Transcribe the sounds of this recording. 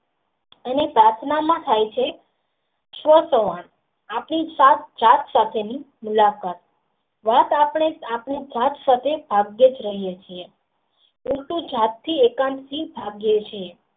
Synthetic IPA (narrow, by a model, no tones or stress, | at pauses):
ənepɾat̪ʰnamãt̪ʰajt͡ʃʰe | ʃʋəsəʋaɳ | apnisat̪d͡ʒat̪sat̪ʰeni | mulakat̪̚ | ʋat̪apɳ̃eapɳid͡ʒat̪sat̪ʰebʱaɡjed͡ʒɾəɦijet͡ʃʰie | ũʈũd͡ʒʱat̪ːʰiekãmsibʱaɡjet͡ʃʰie